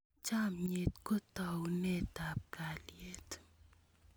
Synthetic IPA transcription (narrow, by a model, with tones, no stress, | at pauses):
t͡ʃa˦mɲe˨tko˦ta˨wunɛ˦˨ta˨p̚ka˨lje˨t